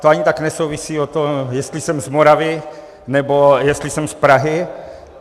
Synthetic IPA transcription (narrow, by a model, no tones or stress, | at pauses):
t̪oaɲɪt̪aknɛsowvɪsiːot̪omjɛst̪lɪsɛmzmoɾavɪ | nɛbojɛst̪lɪsɛmspɾaɦɪ